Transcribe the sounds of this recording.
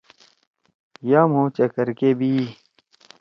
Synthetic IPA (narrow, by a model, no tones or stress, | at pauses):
jaːmõːt͡ɕɐkəɾkeːbʱiː